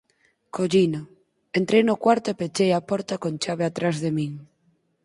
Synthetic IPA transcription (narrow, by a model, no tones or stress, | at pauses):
koʎinʊ | ent̪ɾejnʊkwaɾt̪ʊepet͡ʃejapɔɾt̪akont͡ʃaβ̞eat̪ɾazðemiŋ